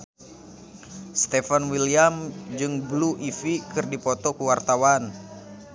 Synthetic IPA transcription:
st̪efanwiliamd͡ʒɨŋbluʔifikɨrdipɔt̪ɔkuwart̪awan

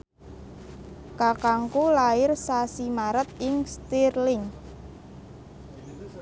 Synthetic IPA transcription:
kakaŋkulaɪrsasimaɾət̪̚ɪŋst̪irlɪŋ

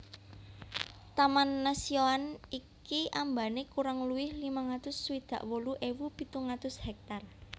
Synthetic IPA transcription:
t̪amanːasioanikiʔambanekuɾaŋluwɪhlimaŋat̪ʊsːwid̪̥ä̤ʔwoluʔewupit̪uŋat̪ʊshɛk̚t̪ar

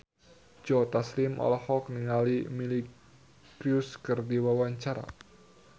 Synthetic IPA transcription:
d͡ʒɔt̪aslimʔɔ̰lhɔkniŋalimili | kɾiʊskɨrdiwawaɲt͡ʃaɾa̰

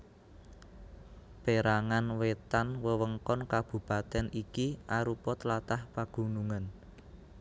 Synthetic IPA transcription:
peɾaŋanwet̪anwəwəŋkɔnkab̥ṳpat̪ɛnikiʔaɾupɔt̪lat̪ahpaɡ̥ṳnuŋan

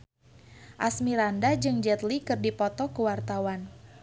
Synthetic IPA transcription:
ʔasmiɾandad͡ʒɨŋd͡ʒɛt̪likɨrdipɔt̪ɔkəwart̪awan

